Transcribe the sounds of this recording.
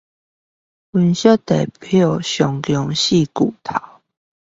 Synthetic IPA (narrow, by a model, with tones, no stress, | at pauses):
wu˦nɕɔ˥˦t̪ḛ˨˩pʰɔ˨˩ɕjɔ˨˦ŋkjɔ˧˦ŋɕi˥˨ku˨˩t̪ʰa˨˦